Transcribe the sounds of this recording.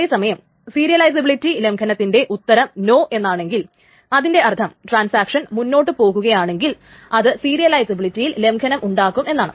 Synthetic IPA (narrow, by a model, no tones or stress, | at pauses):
esɐmɐjɐm | siːɾijɐlɐjsɐbiɭitːile̞mkʰɐnɐt̪ːinde̞ʔut̪ːɐɾɐmno̞ːʔe̞nːaːɳe̞ŋɡil | ɐðinde̞ʔɐrt̪ʰɐmʈraːnsaːkʂɐnmunːo̞ːʈːɨpo̞ːɣuɣɐjaːɳe̞ŋɡil | ɐðɨsiːɾijɐlɐjsɐbiɭitːijille̞mkʰɐnɐmʔuɳɖaːkːume̞nːaːɳɨ